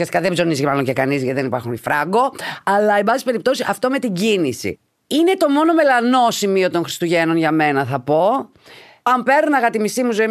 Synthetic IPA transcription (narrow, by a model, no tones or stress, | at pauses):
iɐst̪i̥kɐðebzonizicemɐlo̞ɲcekɐnizʝɐt̪iðenipɐɾxunifɾɐɡo̞ɐlɐebɐsispe̞ɾipt̪o̞siɐft̪ome̞t̪iɟinisḭ | ine̞t̪o̞mo̞no̞me̞lɐno̞simio̞t̪o̞nxɾi̥st̪uʝe̞no̞nʝɐme̞nɐθɐpo̞ | ɐmpe̞ɾnunɐɣɐt̪imisimuzoi